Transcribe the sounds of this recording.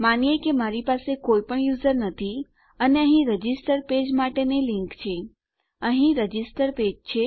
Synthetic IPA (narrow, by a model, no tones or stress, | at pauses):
manijekemaɾipasekoipəɳjuzəɾnət̪ʰi | əneəɦĩɾəd͡ʒisʈəɾped͡ʒmaʈeneliŋkt͡ʃʰe | əɦĩɾəd͡ʒisʈəɾped͡ʒt͡ʃʰe